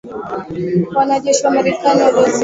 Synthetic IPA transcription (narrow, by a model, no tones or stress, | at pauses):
wanaʄɛʃiwamaɾɛkaniwaɾaz